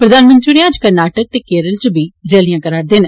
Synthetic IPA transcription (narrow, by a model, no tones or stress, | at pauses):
pɾəd̪aːnmə̃nt̪ɾiːɽiãːd͡ʒkəɾnaːʈək̚t̪eːkeːɾəlt͡ʃəbiːɾeːlijãːkəɾaːɾd̪eːn